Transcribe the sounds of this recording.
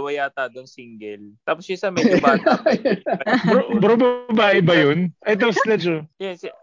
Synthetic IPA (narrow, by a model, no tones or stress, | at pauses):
wɐjat̪aːd̪oŋsiŋɡɛlt̪aːpossamɐb | bɾobɾobɐbaːʔɪbɐjonʔɐt̪̬oŋst̪lɛt͡ʃojɛ